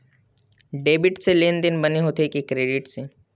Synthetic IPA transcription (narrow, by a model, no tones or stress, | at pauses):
ɖeːbɪʈseleːnd̪ɪnbɐneɦoːt̪ekekɾeːɖɪʈseː